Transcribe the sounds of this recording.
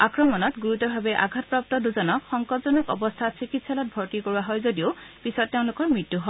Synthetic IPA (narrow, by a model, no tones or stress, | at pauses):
akɹɔmɔnɔtɡuɹutɔbʱabɛʔa̰ɡʱatpɹap̚tɔduzɔnɔkxɔŋkɔtzɔnɔkɔ̰bɔstʰasikitsalɔt̚bʱɔɹtikoɹuaɦɔjzodiʊpisɔtːeʊ̃lʊkɔɹmɹitːuɦɔ